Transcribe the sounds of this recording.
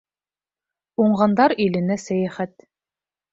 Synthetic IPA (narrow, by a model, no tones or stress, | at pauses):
uɴʁɑnd̪ɑɾilɘ̆næsæjæχæt̪